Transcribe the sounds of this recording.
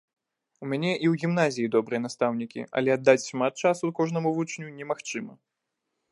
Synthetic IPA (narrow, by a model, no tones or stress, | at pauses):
umʲanʲɛʔiwɣʲimnazʲijid̪ɔbɾɨjɛnast̪awnʲikʲḭʔɐ̰lʲɛɐd̪ːat͡sʲʃmat̪̚t͡ʂasukɔʐnɐmuvut͡ʂnʲunʲɛmaxt͡ʂɨmɐ